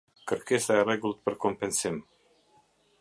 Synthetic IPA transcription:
kərkesajaɾeɡulˠt̪̚pərkompensim

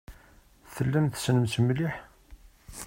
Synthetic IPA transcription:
θəlːæmθsnəmt͡smliħ

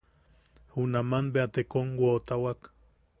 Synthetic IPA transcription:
hunamanbeat̪ekoŋwoːt̪awak

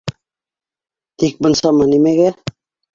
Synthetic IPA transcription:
t̪ik̚bɤ̆nsɑmɑnimæɡæ

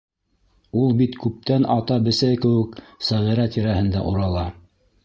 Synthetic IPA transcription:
ulˠbit̪kʉp̚t̪ænʔɑt̪ɑbɘ̆sæjkɘ̆wɘ̆ksæʁiɾæt̪ʰiɾæhɘ̆nd̪æʔuɾɑlˠɑ

